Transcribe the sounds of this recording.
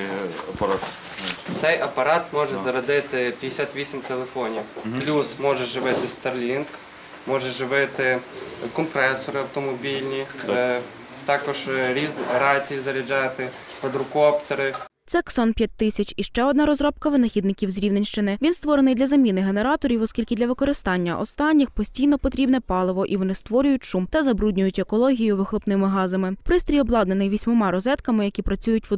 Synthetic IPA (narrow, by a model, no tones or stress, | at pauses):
ɐpɐt̪ | t̪sɛjʔɐpɐɾɑt̪mɔʒɛzɐɾɐd̪ɪt̪ɪpʲjɐj̪ʲesʲat̪ʋʲisʲimt̪elˠefɔnʲiwplʲusmɔʒɛʒɪʋɪt̪ɪst̪ɐrlʲink | mɔʒɛʒɪʋɪt̪ɪkɔmpɾɛsɔɾɪɐwt̪ɔmɔbʲilʲnʲi | t̪ɑkɔʒɾʲiznɾɑt͡sʲijizɐɾʲid͡ʒɑt̪ɪ | pɐd̪ɾʊkɔpt̪ɔɾɪ | t̪sɛksɔnpʲjat̚ʲt̪ːɪsʲɐt͡ʃiʃt͡ʃɛɔd̪nɑɾɔzɾɔp̚kɐʋɪnɐxʲid̪nɪkʲiwzɾʲiwnenʲʃt͡ʃɪnɪʋʲinst̪ʋɔɾenɪjd̪lʲɐzɐmʲinɪɦe̞neɾɑt̪ɔɾʲiwɔskʲilʲkɪd̪lʲɐʋɪkɔɾɪst̪ɑnʲːɐʔɔ̰st̪ɑnʲːɪxpɔsʲtʲijnɔpɔt̪ɾʲibnɛpɑlˠɪʋɔʔiʋɔnɪst̪ʋɔɾʲʊjʊtʲʃumt̪ɐzɐbɾudʲnʲʊjʊtʲekɔlˠɔɦʲijʊʋɪxlˠʊpnɪmɪɦɑzɐmɪpɾɪst̪ɾʲijɔblˠɑd̪nenɪjʋʲisʲmɔmɑɾɔzɛt̪kɐmɪjɐkʲipɾɐt͡sʲujʊtʲʋ